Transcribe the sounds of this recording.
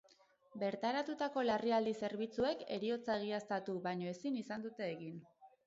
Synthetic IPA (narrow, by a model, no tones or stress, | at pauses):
be̞ɾt̪aɾat̪ut̪ako̞lariald̪ise̞ɾβ̞it͡sue̞ke̞̰ɾio̞t͡saɣ̞iast̪at̪uβaɲo̞e̞sinisand̪ut̪e̞ːɣin